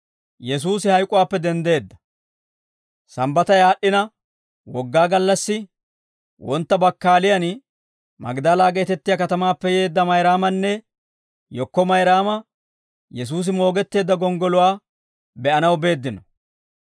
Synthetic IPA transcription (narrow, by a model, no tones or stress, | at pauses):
jɛs̬uːsɪhɐjkʼʊwaːpːɛd̪ɛnd̪e̞ːd̪ːɐ̥ | sɐmbɐt̪ɐjaːɗːɪnɐ | wɔɡːaːɡɐlːɐsːɪ | wɔnt̪ːɐbɐkːaːlɪjɐn | mɐ̰ɡd̪aːlaːɡɛjt̪ɛt̪ːɪjakɐt̪ɐmaːpːɛje̞ːd̪ːɐmɐjɾaːmɐnːɛ | jɔkːɔmɐjɾaːmɐ | jɛs̬uːs̬ɪmo̞ːɡɛt̪ːe̞ːd̪ːɐɡɔŋɡɔlʊwaː | bɛʔɐnɐwbe̞ːd̪ːɪnɔ